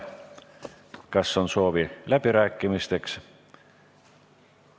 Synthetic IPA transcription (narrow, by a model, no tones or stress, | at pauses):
kɑsːo̞nso̞ːvilæb̥iɾæːkːˑimist̪e̞ks